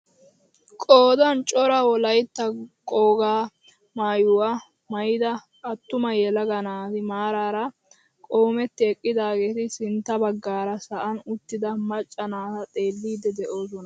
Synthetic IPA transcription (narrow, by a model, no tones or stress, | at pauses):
kʼoːd̪ɐnt͡ʃʼɔɾɐwɔlɐjt̪ːɐkʼoːɡaː | maːjʊwaː | mɐjɪd̪ɐ | ʔɐt̪ːʊmɐjɛlɐɡɐnaːt̪ɪmaːɾaːɾɐ | kʼo̞ːmɛt̪ːɪɛkʼːɪd̪aːɡeːt̪ɪsɪnt̪ːɐbɐɡːaːɾɐsɐʔɐnʊt̪ːɪd̪ɐmɐt͡ʃʼːɐnaːt̪ɐt̪ʼe̞ːlːiːd̪ɛd̪ɛʔo̞ːs̬ɔnɐ